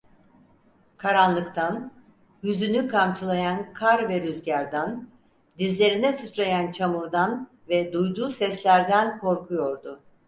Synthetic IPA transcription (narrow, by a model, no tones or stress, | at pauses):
kʰaɾanlˠɯkt̪ʰan | jyzynykʰamt͡ʃʰɯlˠajankʰaɾvɛɾyzɟaɾd̪an | d̪izlʲe̞ɾinɛsɯt͡ʃɾajant͡ʃʰamuɾd̪an | vɛd̪ujd̪uːsɛslʲæɾd̪ænkʰo̞ɾkʰujo̞ɾd̪ʊ